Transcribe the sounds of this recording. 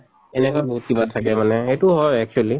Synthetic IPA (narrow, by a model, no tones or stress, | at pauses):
ɛnɛkwabɔɦut̚kibatʰakɛmanɛxejtʊɦɔjɛk̚t͡ʃuali